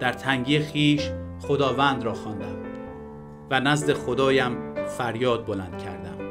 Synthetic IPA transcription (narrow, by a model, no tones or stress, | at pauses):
d̪̥æɾt̪ʰæŋɟiːexiːʃχod̪ɒːvænd̪ɾɒːxɒːnd̪æm | vænæzd̪e̞xod̪ɒːjæmfæɾjɒːd̪̚bolænd̪̥cʰæɾd̪æ̰m